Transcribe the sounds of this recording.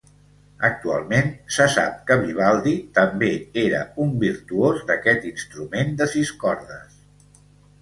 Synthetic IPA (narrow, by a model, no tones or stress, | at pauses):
ək̚t̪ua̰lˠmensəsa̰p̚kəβiβ̞alˠd̪it̪əmbeeɾə̰umbiɾt̪uozd̪əkɛt̪inst̪ɾumend̪əsiskɔɾðəs